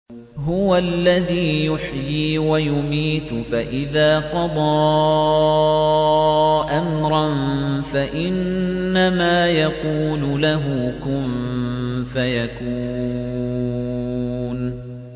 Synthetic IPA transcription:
ɦʊwalːaðiːjʊħjiːwajʊmiːt̪faʔɪðaːqɑd̪ˤɑː | ʔamɾˤɑnfaʔɪnːamaːjaquːlʊlaɦʊkʊm | fajakuː | n

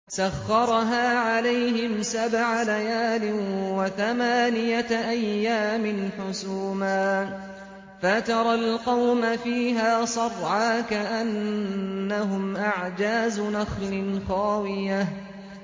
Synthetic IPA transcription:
saxːɑɾˤɦaːʕalajɦɪmsabʕalajaːlɪnwaθamaːnɪjaʔajːaːmɪnħʊsuːmaː | fat̪ɑɾˤɑlqɑwmafiːɦaːsˤɑrˤʕaːkaʔanː | aɦʊmʔaʕd͡ʒaːzʊnaxlɪnxɑːwɪja

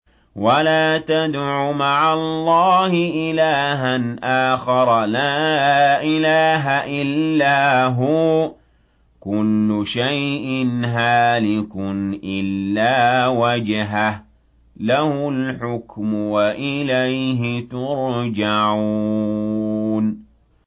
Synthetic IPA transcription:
walaːt̪ad̪ʕʊmaʕalˤːɑːhɪʔɪlaːɦanʔaːxɑɾˤlaːʔɪlaːɦaʔɪllːaːɦʊ | kʊlːʊʃajʔɪnɦaːlɪkʊnʔɪlːaːwad͡ʒɦah | lahʊlħʊkmʊwaʔɪlajɦɪt̪ʊɾd͡ʒaʕu | n

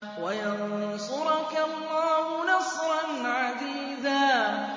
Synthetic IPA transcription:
wajansʊɾɑkalːɑːhʊnɑsɾˤɑnʕad̪iːd̪aː

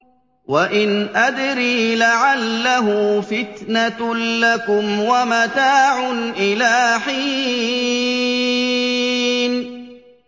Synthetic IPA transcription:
waʔɪnʔad̪ɾiːlaʕalːaɦʊfɪt̪nalakʊmwamat̪aːʕʊnʔɪlaːħiː | n

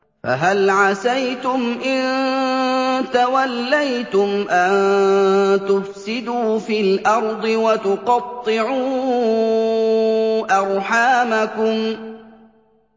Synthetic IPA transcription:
fa̰ɦalʕasajt̪ʊmʔɪn | t̪awalːajt̪ʊmʔan | t̪ʊfsɪd̪uːfilʔɑɾˤd̪ˤɨwat̪ʊqɑt̪ˤːɪʕuː | ʔɑɾˤħaːmakʊm

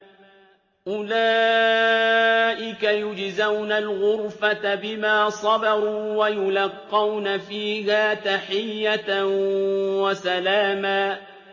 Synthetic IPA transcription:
ʔʊlaː | ʔɪkajʊd͡ʒzawnalɣʊɾfat̪abɪmaːsˤɑbɑɾˤuːwajʊlɑqːɑwnafiːhaːt̪aħɪjːat̪ | wasalaːmaː

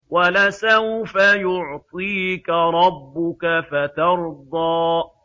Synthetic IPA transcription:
walasawfajʊʕt̪ˤiːkaɾˤɑbːʊkafat̪ɑɾd̪ˤɑːʔ

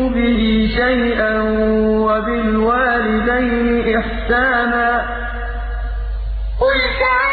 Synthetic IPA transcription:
bɪɦiːʃajʔanwabɪlwaːlɪd̪ajnɪʔɪħsaːnaː | qʊlka

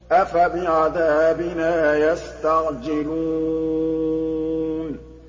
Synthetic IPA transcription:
ʔafabɪʕaðaːbɪnaːjast̪aɣd͡ʒɪluː | n

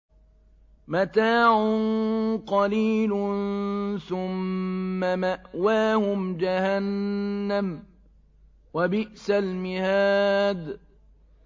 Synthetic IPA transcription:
mat̪aːʕʊnqɑliːlʊ | θʊmːamaʔwaːhʊmd͡ʒahanːam | wabɪʔsalmɪhaːd̪

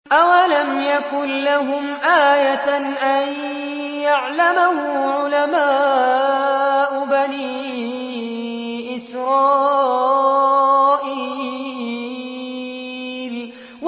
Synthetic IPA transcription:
ʔawalamjakʊnlaɦʊmʔaːja | ʔaj | jaʕlamahʊʕʊlamaː | ʔʊbaniː | ʔɪsɾɑː | ʔiː | l | w

